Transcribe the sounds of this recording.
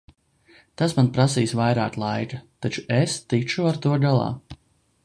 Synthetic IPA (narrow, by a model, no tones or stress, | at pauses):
t̪asmanpɾasiːsvajɾaːklˠajkat̪at͡ʃu̥est̪it͡ʃuaɾt̪uɔɡalˠɑ̰ː